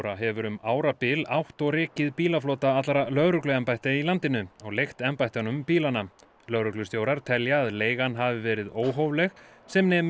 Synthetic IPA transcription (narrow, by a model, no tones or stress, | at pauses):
ɾaɦɛvʏɾʏmaːwɾapɪlawht̪ɔɣɾɪːcɪðpiːlafloːt̪aat̪laɾalœɣɾʏklʏɛmpajht̪ailant̪ɪnʏɔɣlejxt̪ɛmpajt̪anʏmpiːlana | lœɾʏklʏst̪jowɾaɾ̥t̪ʰɛljaːðleːjɣanɦavɪvɛːɾɪðoːwɦowvlɛxsɛmnɛ